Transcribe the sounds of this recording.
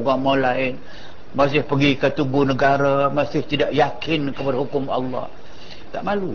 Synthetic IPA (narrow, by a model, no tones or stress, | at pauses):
uɡamalaɪn | mas̬ɪhpəɡikət̪uɡunəɡaɾamasɪht̪idaʔjakʰɪnkəpadaɦukʊmɑ̰lːɑ̰h | t̪aʔmalu